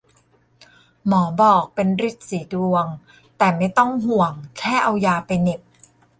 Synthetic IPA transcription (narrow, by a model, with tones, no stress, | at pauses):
mɔː˩˦bɔː˨˩k̚pe˧nɾi˦˩t̪̚siː˩˦du˧əŋ | t̪ɛː˨˩ma˥˩jt̪ɔ˥˩ŋɦu˨˩əŋkʰɛː˥˩ʔa˧wjaː˧pa˧jne˨˩p̚